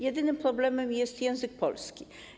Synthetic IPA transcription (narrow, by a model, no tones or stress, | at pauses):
jɛd̪ɘnɘmpɾɔblɛmɛmjɛst̪jɛ̃w̃zɘk̚pɔ̰lskʲi